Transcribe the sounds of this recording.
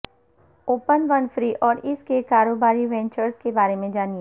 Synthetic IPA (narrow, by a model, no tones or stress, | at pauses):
oːpənʋɐnfɾiːʔɔːɾɪskekaːɾoːbaːɾiʋɛ̃ɲt͡ʃəɾzkebaːɾemẽd͡ʒaːnie